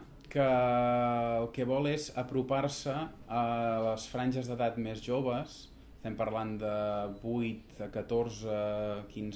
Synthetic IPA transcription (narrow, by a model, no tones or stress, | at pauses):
kəː | lˠkɛβɔlˠezəpɾuparsəː | ləsfɾanʲʒəzðəðat̪mezʒoβ̞əs | ət̪ɛmpərland̪əbujt̪əkət̪orzəkinz